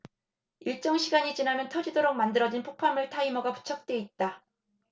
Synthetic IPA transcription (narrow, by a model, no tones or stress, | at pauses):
iɭt͡ɕ͈ʌŋɕʰiɡaɲit͡ɕinamjʌntʰʌd͡ʑidoɾok̚mandɯɾʌd͡ʑinpʰopʰamɯɭtʰaimʌɡapu̥t͡ɕʰʌk̚t͈we̞it̚t͈a